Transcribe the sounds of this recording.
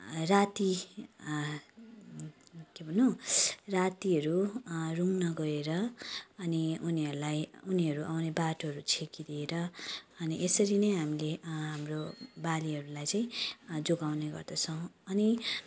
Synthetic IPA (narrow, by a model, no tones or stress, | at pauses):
rat̪i | kebʱʌnõsrat̪iɦʌɾuruŋnʌɡʌɾeɾʌːniuniʌɾulajuniɦʌɾuʔawnebaʈoɦʌɾut͡sʰekid̪ieɾʌʌniʔesʌɾinʌjɦamileɦamrobaliɦʌɾulajt͡saĩd͡zoɡawneɡʌ̰rd̪ʌt͡sʰʌw̃ʌni